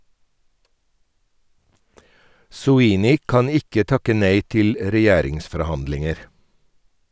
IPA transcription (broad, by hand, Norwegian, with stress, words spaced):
sʊˈiːnɪ ˈkɑn ˈɪkə ˈtɑkə ˈneɪ ˈtɪl ɾɛˈjæːɾɪŋsfɔɾˌhɑndlɪŋəɾ